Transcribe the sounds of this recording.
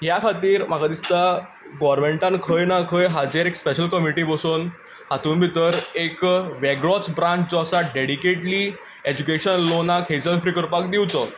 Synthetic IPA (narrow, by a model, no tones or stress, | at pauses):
ɦjakʰat̪iːɾm̤aɡad̪ist̪a | ɡɔɾmeɳʈãnkʰəjnakʰəjɦad͡ʑeɾekspeɕəlkəmiʈiːbɔsuːn | hat̪uːnbʱit̪əɾekʋɛɡɭɔt͡sbɾãɲt͡ɕd͡zɔasaɖeɽikeʈliː | ed͡ʑukeɕənlonakɦed͡zənfɾikəɾpak̚d̪iwt͡sɔ